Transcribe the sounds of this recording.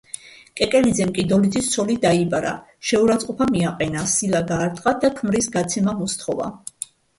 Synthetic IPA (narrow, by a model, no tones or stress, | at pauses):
kʼɛkʼɛlid̪zɛmkʼid̪ɔlid̪zist̪sʰɔlid̪aibaɾa̰ | ʃɛuɾat̪sʼqʼɔpʰamiaqʼɛnasilaɡaːɾt̪ʼqʼad̪akʰmɾisɡat̪sʰɛmamɔst̪ʰχɔva̰